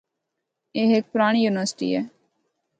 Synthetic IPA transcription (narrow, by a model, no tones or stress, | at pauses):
eːɦek̚pʊɾaːɳ̃ijuːnɪʋəɾsɪ̥ʈḭːɛː